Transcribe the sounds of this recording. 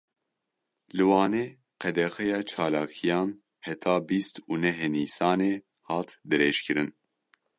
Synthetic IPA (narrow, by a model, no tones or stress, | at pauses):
lɨwɑːneː | qɛd̪ɛxɛjɑːt͡ʃʰɑːlaːkʰijɑːn | hɛt̪ʰɑːbiːst̪uːnɛɦniːsɑːneː | hɑːt̪d̪ɨɾeːʃkʰɨɾɨn